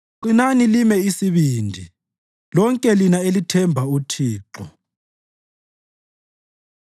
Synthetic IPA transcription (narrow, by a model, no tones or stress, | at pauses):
ǃinanilimɛisiβiːndʱi | lɔŋkʼɛlinaelitʰɛmbʱautʰiːǁɔ